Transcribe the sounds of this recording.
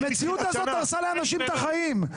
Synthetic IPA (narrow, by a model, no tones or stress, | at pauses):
me̞t͡siut̪azo̞t̪ːaʁsaleanaʃimt̪aχaim